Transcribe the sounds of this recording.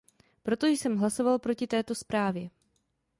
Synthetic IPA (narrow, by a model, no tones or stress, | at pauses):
pɾo̞t̪o̞jsɛmɦlaso̞valpɾo̞cɪt̪ɛːt̪o̞spɾaːvjɛ